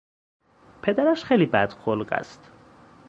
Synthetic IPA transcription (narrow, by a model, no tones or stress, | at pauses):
pʰe̞d̪æɾæʃχejliːbæd̪̥xolɢæ̰st̪